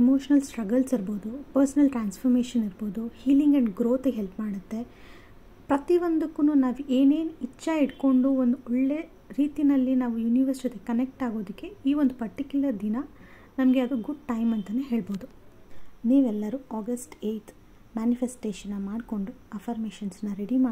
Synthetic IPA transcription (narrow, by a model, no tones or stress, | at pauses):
emoːʂɐnɐlsʈɾɐɡɐlsiɾbo̞ːd̪upɐɾsɐnɐlʈɾaːnspʰɐɾmeːʂɐniɾbo̞ːd̪uhiːliŋɡɐɳɖɡɾoːt̪eɦelpmaːɽut̪ːe̞ | pɾɐt̪iʋond̪ukːunuːnaːʋue̞ːne̞ːnit͡ʃːɐiɽko̞ɳɖuond̪uɔɭːe̞ | ɾiːt̪inɐlːinaːʋujuniʋɐɾsɐt̪eɡekɐnek̚ʈaːɡo̞ːd̪ikːe̞iːond̪upɐɾʈikʲjulɐɾd̪inɐ | nɐmɐɡeɐd̪uɡuɖ̚ʈɐjmɐnt̪ɐneɦe̞ːɭbo̞ːd̪u | niːʋɛlːɐɾuaːɡɐsʈeːjt̪ʰ | maːnifʰesʈeːʃɐnːɐmaːɖko̞ɳɖuɐfʰaːɾmeːʃɐnsnːɐɾeɽimaː